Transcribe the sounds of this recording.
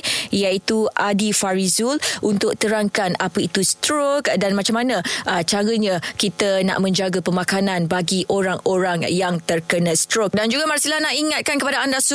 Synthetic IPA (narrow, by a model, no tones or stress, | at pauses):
jait̪uʔadifaɾizulʔunt̪ʊk̚t̪əɾaŋkanapəit̪ust̪ɾokdanmat͡ʃamːanãʔət͡ʃaɾəɲãkit̪əna̰ʔmə̃ɲd͡ʒaɡapəmakanãnbaɡiʔoɾaŋoɾaŋjaŋt̪ərkənãst̪ɾok̚dand͡ʒuɡamaɾsilanaʔiŋat̪̚kankəpadaandasu